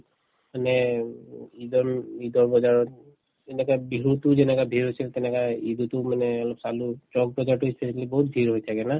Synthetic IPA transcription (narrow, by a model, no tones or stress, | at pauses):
manɛ | idɔidɔɹbɔzaɹɔt̚ | ɛnɛkabiɹutʊzɛnɛkabʱiɹɦojsiltɛnɛkaidutʊmanɛɔlɔpsalutɹɔɡ̚bɔzaɹtʊispʰesiklibɔɦut̚bʱiɹɦojtʰakɛna